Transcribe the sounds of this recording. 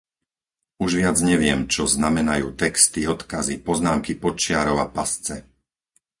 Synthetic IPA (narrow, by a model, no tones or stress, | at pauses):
uʒʋɪad͡zɲɛʋɪɛmt͡ʃɔznamɛnajṵːt̪ɛkst̪iɔt̪kazipɔznaːmkipɔt͡ʃɪaɾɔʊapast͡sɛ